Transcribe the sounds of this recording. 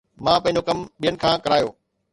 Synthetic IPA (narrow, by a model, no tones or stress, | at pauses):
mãːpɐ̃ɪ̃ɲd͡ʑokɐmɓijənɪ̆kʰãːkɐɾaːjo̰ː